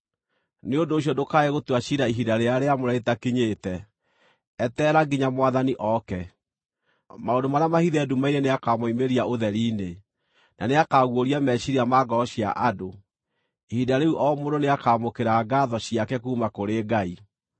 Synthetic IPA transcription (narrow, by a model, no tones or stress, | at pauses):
neondoːɕ̬jɔdokaɛɣotwaɕiɾaiɦidaɾeaɾeamoɾɛetakiɲeːtɛ | ɛtɛːɾaɡiɲamwaðaniʔɔkɛ | maondomaɾeamahiðɛdumaiɾeneakamoimeɾiaoðɛɾiːne | na̰neakaɣwoɾiamɛɕiɾiamaɡɔɔɕia̰ʔado | ihidaɾeuʔɔmodoneakaːmokeɾaɡaðɔɕijakɛkuːmakoɾeːɡai